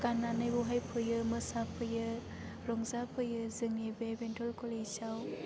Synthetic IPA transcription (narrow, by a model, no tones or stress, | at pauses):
kananɯjbuɦajpʰɯjɯmɯsapʰɯjɯ | ɾɔŋzapʰɯjɯzɯŋnibebentʰɔlkɔlesaw